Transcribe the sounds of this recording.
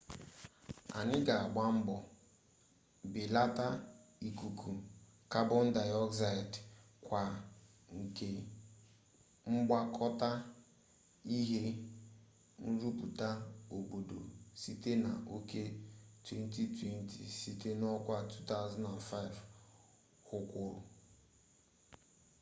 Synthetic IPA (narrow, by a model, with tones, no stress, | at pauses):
a̰˨nɪ˦ɡa˨a˨ɡ͡ba˦ŋ͡m̩˦ɡ͡bɔ˨ | bɪ˨la˦ta˦i˦˨ku˨kʰu˨ | ka˦bʊ˦n̩˦da˨ɔ˦kza˦˨d | kʷa˨ | ŋ̩˨ke˨ | ŋ͡m̩˦ɡ͡ba˦kʰɔ˦ta˦ | i˦ɦe˦ | n̩˦ɾu˦pu˨ta˦o˨bo˨do̰˨si˦te˦na̰˨ʔo˦ke˦twe˦n˦ti˦twe˦n˦tʰḭ˨si˦te˦nɔ˦kʷa˦˨tʰu˦ta˦ʊ˦za˦na˨nfa˦ɪ˨v | hʊ˦kʷʊ˦ɾʊ̰˨